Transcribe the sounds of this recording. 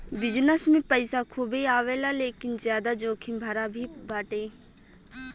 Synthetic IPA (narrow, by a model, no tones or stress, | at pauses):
bɪd͡ʒnəsmẽpəɪsakʰubiaːʋeːlaleːkɪnzjaːd̪ad͡ʒoːkʰĩmbʱɐɾabʱibʱaːʈẽː